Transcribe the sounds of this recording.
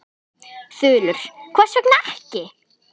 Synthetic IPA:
θʏːlʏɾ̥kʰvaːsɛknɛhcɪ

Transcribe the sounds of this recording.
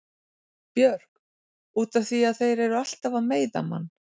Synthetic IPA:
pjœɾ̥k | uːt̪anθviaðθejɾɛɾʏal̥t̪avaðmeːjða̰ma̰nː

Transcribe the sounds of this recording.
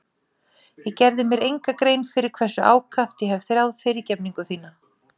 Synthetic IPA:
jɛɣcɛɾðɪmjɛɾejŋkakɾejnfɪɾɪɾ̥kʰvɛsːʏʔa̰ːwkʰaft̪jɛɦɛvθɾjawðfɪɾɪcɛpniŋkʏθiːna

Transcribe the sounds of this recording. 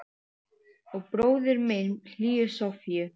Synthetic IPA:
ɔɣpɾoːwðɪɾmenl̥iːʏsɔfijʏ

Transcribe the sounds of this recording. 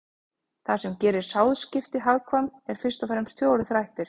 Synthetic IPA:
θasɛmcɛːɾɪɾ̥saːwðscɪft̪ɪɦaɣkʰvamɛɾ̥fɪ̥st̪ɔfɛɾɛmɾ̥t̪ʰvjɔːɔɾʏðθɾajht̪ɪɾ̥

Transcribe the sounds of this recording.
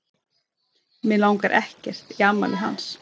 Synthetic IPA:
mɪlawŋkaɾʔɛhcɛr̥t̪iamːa̰lʏɦa̰ns

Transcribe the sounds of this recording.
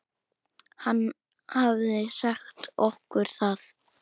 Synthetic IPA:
hanː | havðɪɛsɛxt̪ɔhkʏɾ̥θað

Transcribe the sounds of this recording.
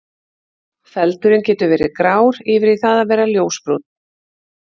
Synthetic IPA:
fɛlt̪ʏɾɪncɛːt̪ʏvɛːɾɪkɾaːwɾɪvɪɾiθaðaðvɛːɾaljoːwspɾut̪n

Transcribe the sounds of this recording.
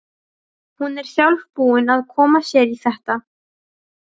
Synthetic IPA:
hunɛɾ̥θjawlvpuːɪnaðkʰɔːmasjɛːɾiθɛht̪a

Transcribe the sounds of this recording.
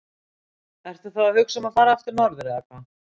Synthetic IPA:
ɛɾ̥t̪aθawaɾvʏksɛmaðfaːɾaaft̪ɪɾnɔɾðʏɾɪðaka

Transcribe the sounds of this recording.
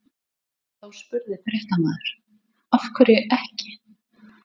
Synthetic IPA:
θawspʏɾðɪfɾeht̪anaðʏɾ̥ | afkʰvɛɾɪʔɛhcɪ̥

